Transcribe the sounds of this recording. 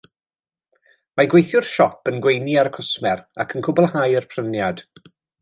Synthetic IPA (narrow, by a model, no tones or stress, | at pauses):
maɡwejθjʊrʃɔpənɡwejniaɾəkʰʊsmɛɾakʰənkʰʊbʊlˠhajərpʰrənjad̥